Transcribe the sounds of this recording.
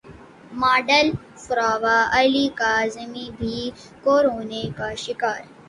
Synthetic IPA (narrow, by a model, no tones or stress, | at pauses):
maːɖəl | sʊɾaːʋaɐliːkaːzəmibʱiː | koːɾoːnekaʃɪkaːɾ